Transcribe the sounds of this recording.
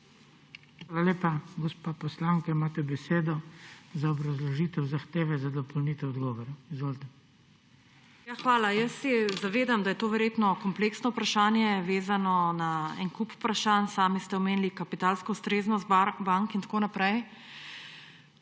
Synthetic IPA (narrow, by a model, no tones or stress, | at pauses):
xʋaːlaleːpaɡɔspapɔslaŋkaimaːt̪ɛbɛseːd̪ɔzaɔbɾazlɔʒiːt̪ɛwzaxt̪eːʋɛzad̪ɔpɔlnit̪ɛwɔd̪ɡɔːʋɔɾaizʋoːlt̪ɛ | jaxʋaːlajɐsːɛzaʋeːd̪amd̪ajɛt̪oːʋɛɾjeːt̪nɔkɔmpleːksnɔupɾaʃaːnjɛʋeːzanɔnaɛ̰ŋkuppɾaʃansaːmist̪ɛɔmeːnlikapit̪aːlskɔust̪ɾeːznɔst̪baŋkint̪ḁkoːnapɾɛj